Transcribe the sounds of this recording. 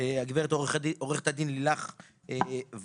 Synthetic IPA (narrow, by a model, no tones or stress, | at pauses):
eaɡveʁet̪oiʔoʁeχe̥t̪ad̪inlilaχ | ev